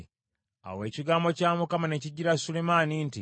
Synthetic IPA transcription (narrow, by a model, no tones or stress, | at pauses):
a̰we̞ːciɡaːmbo̞caːmukamane̞ciɟːiɾasulemaːninti